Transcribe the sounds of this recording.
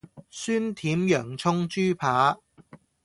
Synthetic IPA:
syː˥nt̪ʰiː˨˥mjœː˨˩ŋt͡sʰʊ˥ŋt͡ʃyː˥pʰaː˨˥

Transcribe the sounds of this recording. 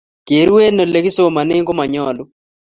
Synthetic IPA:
ke˨ɾu˦e˦nɔ˨le˨˦ki˦so˦˨ma˨ne˦ŋkɔ˦ma˨ɲɔ˦˨lʊ˦

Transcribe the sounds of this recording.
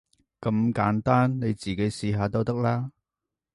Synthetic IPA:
kɐ˧mkaː˨˥nt̪aː˥nne˨˧jt͡siː˨˩ke˨˥jsiː˧ɦaː˨˧t̪o˥wt̪ɐ˥k̚laː˥

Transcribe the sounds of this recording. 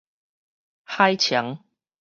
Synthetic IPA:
ha˥˦jt͡ɕʰja˨˦ŋ

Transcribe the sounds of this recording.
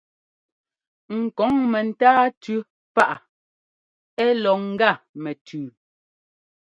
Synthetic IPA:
ŋ̩˨kɔ˨˦ŋmɛ˨n̩˨taː˦tʉ˦ | pa˦ʔa˨ | ɛ˦lɔ˨ŋ̩˦ɡa˦˨mɛ˨tʰʉː˨

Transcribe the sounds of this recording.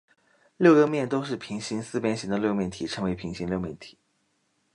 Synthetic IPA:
ljo˥˧˩ʊɡə˥mjɛ˥˩nt̪o˥ʊʂ̬ɻ̩˥˩pʰi˧˥ŋɕi˧˥ŋsɹ̩˥˧pjɛ˥nɕi˧˥ŋd̪ə˧ljo˥˧ʊmjɛ˥˩nt̪ʰi˨˩ʈ͡ʂʰɤ˧˥ŋwe˧˥ɪpʰi˧˥ŋɕi˧˥ŋljʊmjɛ˥˩nt̪ʰi̥˨˩˦

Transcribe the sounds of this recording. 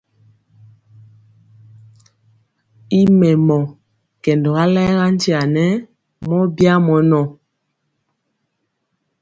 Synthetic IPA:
i˦mɛ˨mɔ˨ | kɛ˨ndɔ˨ɣa˦lɛ˦ɣa˦n˦di˦a˨nɛ˦ | mɔ˦bja˦mɔ˨nɔ˨

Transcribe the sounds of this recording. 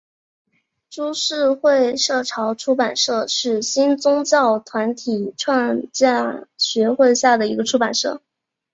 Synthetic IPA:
ʈ͡ʂu˥ʂɻ̩˥˧xwe˥˧ɪʂɤ˥˩ʈ͡ʂʰɑ˧˥ʊʈ͡ʂʰu˥pa˨˩nʂɤ˥˧ʂɻ̩˥˩ɕi˥nt͡sʊ˥ŋt͡ɕjɑ˥˩ʊt̪ʰwa˧˥nt̪ʰi˨˩ʈ͡ʂʰwa˥˧nt͡ɕja˥˩ɕɥɛ˧˥xwe˥˧ɪɕja˥˩d̪ə˩i˧˥ɡə˧ʈ͡ʂʰu˥pa˨˩nʂɤ̰˥˩

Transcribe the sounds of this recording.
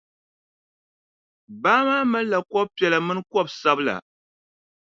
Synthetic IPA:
baː˦maː˦mɨ˦n˦la˨kɔ˦b̚pɛ˨la˨mɨ˦n˦kɔ˦bsa˦bla̰˨

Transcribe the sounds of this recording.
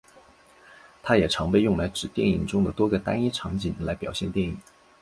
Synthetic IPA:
t̪ʰa˥jɛ˨˩ʈ͡ʂʰɑ˧˥ŋpe˥˧ɪjʊ˥˩ŋla˧˥ɪʈ͡ʂɻ̩˨˩t̪jɛ˥˩nḭ˨˩ŋʈ͡ʂʊ˥ŋd̪ə˨t̪wɔ˥ɡə˨t̪a˥ni˥ʈ͡ʂʰɑ˧˥ŋt͡ɕi˨˩˦nla˧˥ɪpjɑ˨˩ʊɕjɛ˥˧nt̪jɛ˥˩nḭ˨˩˦

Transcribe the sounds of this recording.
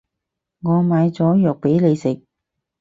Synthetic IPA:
ŋɔː˨˧maː˨˧jt͡sɔː˨˥jœː˨k̚pe˨˥jle˨˧jsɪ˨k̚

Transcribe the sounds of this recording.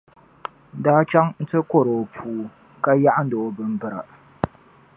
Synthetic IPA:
daː˦t͡ʃa˦ŋn̩˦tɨ˦ko˦ɾo˨pʰuː˦ | ka˦ja˦ʔa˦n̩˦do˨˦bɨ˦m˦bɨ˦ɾa̰˨

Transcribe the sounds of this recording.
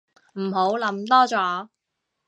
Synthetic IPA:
m̩˨˩ɦo˨˥wlɐ˨˥mt̪ɔː˥t͡sɔː˨˧

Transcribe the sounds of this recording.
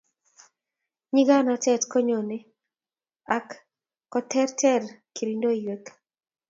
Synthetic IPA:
ɲi˦ɡa˦na˨tɛ˦˨tko˦ɲo˨ne˦ | akː | ɔ˦t̪ʰɛ˦rtʰɛ˦rki˨ɾindo˦jwe˦k

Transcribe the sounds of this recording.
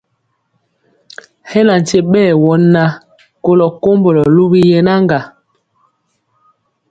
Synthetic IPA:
hɛ˦la˨n̩˨te˦ɓɛː˦˨wɔ˨˦nːa˦ | ko˦lɔ˨ko˦mbo˨lɔ˨lu˦bi˦jɛ˦na˦ŋɡa˨

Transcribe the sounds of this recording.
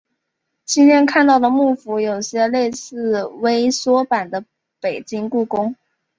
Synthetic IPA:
t͡ɕi˥nt̪ʰjɛ˥nkʰa˥˧nt̪ɑ˥˩ʊd̪ə˩mu˥˩fu˧˥jo˨˩ʊɕjɛ˥le˥˧ɪsɹ̩˥˩˧we˥ɪswɔ˥pa˨˩nd̪ə˦ | pe˨˩ɪt͡ɕi˥ŋku˥˩kʊ˥ŋ

